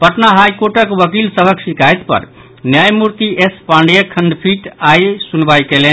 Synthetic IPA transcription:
pəʈnaɦajkoɾʈəkʋəkilsəbʱəksikajt̪pə̰ɾ | njajmuɾt̪iʔespaɳɖjəkʰənɖ̪pʰiʈajsunbajkelen

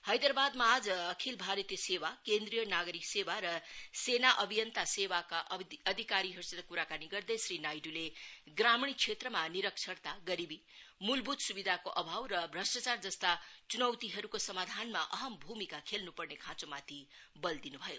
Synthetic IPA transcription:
hʌjd̪ɾbad̪maːd͡zʌkʰilbʱaɾʌt̪jesewakend̪ɾijʌnaɡʌɾiksewaɾʌsenaʔʌbʱijʌnt̪asewakaʔʌd̪ʱikaɾiɦʌɾusʌd̪akuɾakaniɡʌrd̪ʌjsɾinajɖule | ɡramɽ̃it͡sʰet̪rʌmaniɾʌksʰʌrt̪aɡʌɾibi | mulbʱud̪subid̪ʱakoʔʌbʱawɾʌbʱrʌsʈat͡sard͡zʌst̪at͡sunʌwt̪iɦʌɾukosʌmad̪ʱanmaʔʌɦʌmbʱumikakʰelnupʌrnekʰãt͡somat̪ʰibʌld̪inubʱʌjo

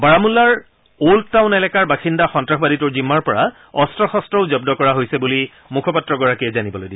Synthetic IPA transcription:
baɹamulːaɹ | oltaʊ̃nɛlɛkaɹbaxindaxɔntɹaxbaditʊɹzimːaɹpɔɹa | ɔstɹɔxɔstɹɔʊzɔb̚dɔkɔɹaɦojsɛbuli | mukʰɔpatɹɔɡɔɹakijɛzanibɔlojdiɛ

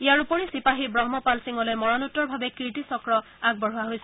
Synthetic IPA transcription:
ijaɹupɔɹisipaɦibɹɔɦmɔpalsiŋɔlojmɔɹanutːɔɹbʱabɛkiɹʈisɔkɹɔ | aɡ̚bɔɹʊwaɦojsɛ

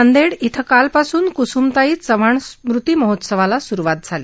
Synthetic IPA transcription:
ənd̪eɽit̪ʰəkalpasuːnkusumt̪aiːsəʋ̤aɳsmɾut̪iːməɦot̪səʋalasuɾuʋat̪̚d͡zʱale

